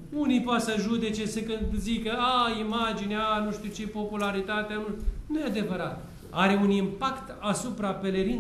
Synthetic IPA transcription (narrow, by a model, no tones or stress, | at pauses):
unijpoat̪səʒud̪e̞t͡ʃe̞sekɨnd̪zikəaimad͡ʒineanuʃt̪iut͡ʃepo̞pulaɾit̪at̪eanunujead̪e̞vəɾat̪ | a̰ɾe̞unimpakt̪asupɾape̞leɾi